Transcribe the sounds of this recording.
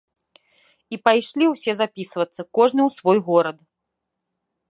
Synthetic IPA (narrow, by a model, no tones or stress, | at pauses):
ipajʂlʲiwsʲɛzapʲisvɐt̪sːɐkɔʐnɨwsvɔjɣɔɾɐt̪